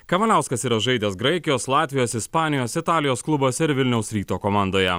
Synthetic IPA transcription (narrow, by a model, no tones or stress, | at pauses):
kɐʋɐnʲæˑʊskɐsiːɾɐʒɐɪd̪ʲɛsɡɾɐɪkʲɪjoːslˠɑːt̪ʲʋʲɪjoːsɪspɑːnʲɪjoːsɪt̪ɑːlʲɪjoːsklˠʊboːsʲɛɪɾʋʲɪlʲnʲɛʊsɾʲiːt̪oːkoːmɑːˑnd̪oːjɛ